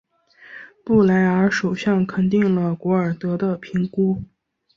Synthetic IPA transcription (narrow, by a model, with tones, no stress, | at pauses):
pu˥˩la˧˥ɪə˞˧˥ʂo˨˩ʊɕjɑ˥˩ŋkʰə˨˩nt̪̬i˥˩ŋlə˩kwɔ˧˥ə˞˨˩t̪ɤ˧˥d̪ə˧pʰi˧˥ŋku˥